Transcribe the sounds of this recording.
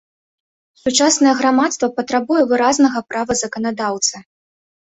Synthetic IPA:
sut͡ʂasnɐjɛɣɾamat̪st̪vɐpɐt̪ɾabujɛvɨɾaznɐɣɐpɾavɐzɐkɐnad̪awt̪sɨ

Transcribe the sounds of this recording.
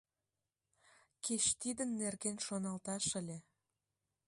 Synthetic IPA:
ket͡ɕt̪id̪ənːerɣenʃonɑlt̪ɑʃəlʲe

